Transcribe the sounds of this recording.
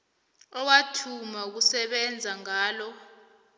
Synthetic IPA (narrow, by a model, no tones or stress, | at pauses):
ɔwatʰumauk̬usɛɓɛnd͡zʱaŋaːlɔ